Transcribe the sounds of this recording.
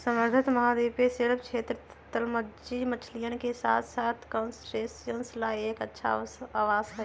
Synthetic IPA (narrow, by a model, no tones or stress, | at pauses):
səməɾɡʱət̪məɦad̪epeseɽp̚t͡ʃʰet̪ɾ | t̪əlməd͡ʒimət͡ʃʰlijənkesa̰t̪ʰsat̪ʰkənsʈɾesjənslaekətːʃʰa̰aʋasɦə